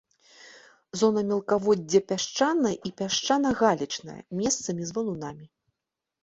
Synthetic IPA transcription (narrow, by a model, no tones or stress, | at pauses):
zɔnɐmʲɛlˠkavɔdʲːɐpʲaʂt͡ʂanɐʔipʲaʂt͡ʂanɐɣalʲit͡ʂnɐ̰jɐ̰mʲɛst̪sɐmʲizvɐlˠunamʲi